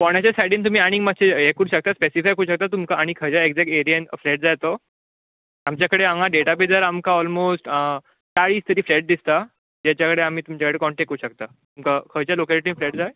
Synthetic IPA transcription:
pɔɽ̃jat͡ɕasajɽiːnt̪um̤iːaɽ̃ĩŋmaɕeekəɾuːɕək̚t̪aspesifajkəuɕək̚t̪at̪umkaːɽ̃ikʰəd͡ʑaekd͡zɛk̚ʈeɾijənfleʈd͡zajt̪o | amt͡ɕjakəɽeaŋɡaɖeʈap̬iːd͡zəɾamkaɔlmosʈ | ʈaɭiːst̪əɾiːfleʈ̚d̪ist̪a | d͡ʑat͡ɕjakəɽeam̤iːt̪umt͡ɕakəɽekɔɳʈekːəuɕək̚t̪a | t̪umkakʰəjt͡ɕjalokɛliʈiːflɛʈ̚d͡zaj

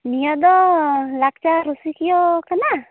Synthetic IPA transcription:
nijad̪ɔlak̚t͡ʃaɾusikijɔkana

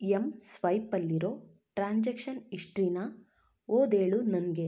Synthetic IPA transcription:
emsʋɐjpɐlːiɾoː | ʈɾaːɲd͡ʒekʂɐniʂʈɾiːna | oːd̪eːɭunɐnɡe̞

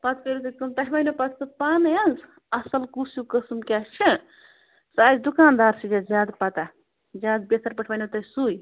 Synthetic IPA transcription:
pɐt̪kɐɾut̪ɐkɐmt̪ɐʈʰʋajnopɐt̪ʰt̪ɨpaːnjaz | ɐsɐlkusjukəsmkʲat͡ʃʰi | saːzd̪ukaːnd̪aːɾsid͡ʒazʲjaːd̪pɐt̪a | zʲjaːd̪besɐɾpɐʈʰʋajnot̪ɐsuj

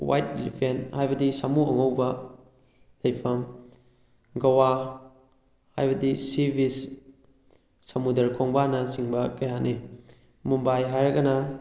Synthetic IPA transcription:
wa̰jt̚ilḭpʰenthajbɐdisamuɐŋowbɐ | lɐjpʰɐm | ɡɐwa | ha̰jbɐdisibʱis | ɐmudɐɾkʰoŋbanɐsiŋbɐkɐjanʔe | mumbajɦajɾɐɡɐnɐ

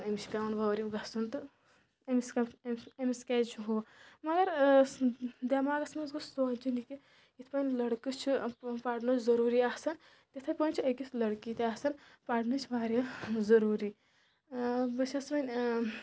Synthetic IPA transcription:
nɐmiskaunʋɐʋɾiɡɐsunt̪ɨ | ɐmiskemiskɛːt͡ʃʰuɦoːmɐɡɐɾ | d̪ɐmaːɡɐsmɐnzɡɨst̪oːt͡ʃiniki | it̪ʰpɐnʲlɐɽkɨt͡ʃʰipaːɽnot͡ʃzɐɾuːɾiːasɐn | t̪ʲit̪ʰɐpɐnʲt͡ʃʰiɐkisʰlɐɽkiːt̪aːsɐnpaːɽnɨt͡ʃʰʋaːɾʲɐzɐɾuːɾiː | bɨsʰʲɐsmɐnʲ

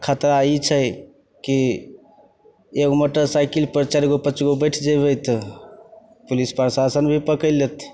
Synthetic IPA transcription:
kʰat̪ɾait͡ʃʰəj | ki | ekmoʈəɾsajkilpɾət͡ʃaɾɡopət͡ʃɡobəɪʈʰd͡ʒebət̪ | pulispɾsasənbʱipəkəɪlet̪

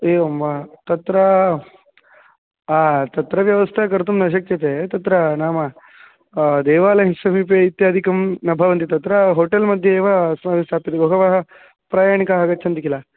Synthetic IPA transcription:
eːɐmʋat̪ɐt̪ɾɐ | aːt̪ɐt̪ɾɐʋjɐʋɐst̪ʰɐkɐɾt̪umnɐʃ̬ɐk̚t͡ʃʰɐt̪et̪ɐt̪ɾɐnaːmɐ | d̪eːʋaːlɐɦisɐmip̬eit̪jaːd̪ʱikɐmnɐbʱɐʋɐnt̪̬it̪ɐt̪ɾɐɦoːʈelmɐd̪ʱjeːʋɐsɐmaːʋist̪ʰaːpid̪eɡoɡɐʋɐɦɐ | pɾaːjaːɳ̃ikɐɦaːɡɐːt͡ʃʰɐnt̪ikila

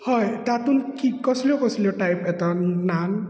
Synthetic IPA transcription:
hɔjtat̪unkikɔsilɔkɔsilɔʈajpɛt̪anan

